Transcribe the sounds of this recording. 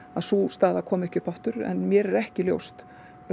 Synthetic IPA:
aðsust̪aːðakʰɔːmɛhcʏpʰaft̪ʏɾɛ̰nmjɛɾɛɾɛhcɪljo̰wst̪

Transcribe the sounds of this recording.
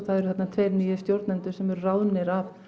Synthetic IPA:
θaðɛɾʏθɛt̪nat̪ʰveːɾmiːjɪst̪jowɾt̪nɛnt̪ʏsɛmɛɾʏrawnɪɾav

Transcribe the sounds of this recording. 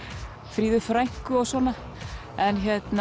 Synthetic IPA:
fɾiːðʏfɾajŋ̥kʏɔɣsɔːna | ɛnçɛt̪n

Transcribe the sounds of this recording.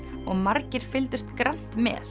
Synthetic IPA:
ɔɣmaɾcɪɾ̥fɪlt̪ʏst̪kɾan̥t̪mɛ̰ːθ

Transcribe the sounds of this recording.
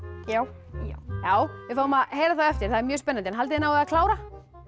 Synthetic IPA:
jaːw | ajaːwvɪfawʏmaðhejɾaθaðɛft̪ɪɾ̥θaðɛɾmjœːspɛnːant̪ɪɛnɦalt̪ɪðɪnawɛðakʰlaːwɾa

